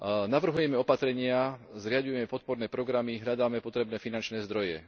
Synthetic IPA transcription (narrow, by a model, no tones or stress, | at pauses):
naʋr̩ɦujɛmɛɔpat̪ɾɛɲɪazɾɪaɟujɛmɛpɔt̪̚pɔɾnɛːpɾɔɡɾamiɦʎad̪aːmɛpɔt̪ɾɛbnɛːfinant͡ʃnɛːzd̪ɾɔjɛ̰